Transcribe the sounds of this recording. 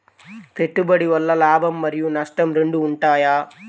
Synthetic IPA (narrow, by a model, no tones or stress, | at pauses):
peʈːubɐɽiʋɐlːɐlaːbʱɐmːɐɾijunɐsʈɐmɾeɳɖuːɳʈaːjaː